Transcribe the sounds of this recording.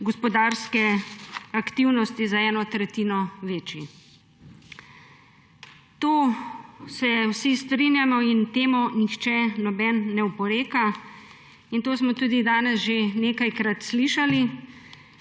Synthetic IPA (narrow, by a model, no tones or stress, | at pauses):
ɡɔspɔd̪aːɾskɛakt̪iwnɔst̪izaɛːnɔt̪ɾɛt̪iːnɔʋeːt͡ʃi | t̪oː | sɛwsist̪ɾinjamɔint̪eːmɔnixt͡ʃɛnɔbɛnːɛwpɔɾeːka | int̪oːsmɔt̪uːd̪id̪aːnɛsʒeneːkajkɾat̪sliʃali